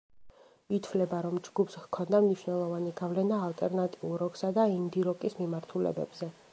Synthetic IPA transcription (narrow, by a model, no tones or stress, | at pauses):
it̪ʰvlɛbaɾɔmd͡ʒɡupʰshkʰɔnd̪amniʃnɛlˠɔvaniɡavlɛnaːlˠt̪ʼɛɾnat̪ʼiulˠɾɔɡsad̪aind̪iɾɔkʼismimaɾt̪ʰulɛ̰bɛ̰bzɛ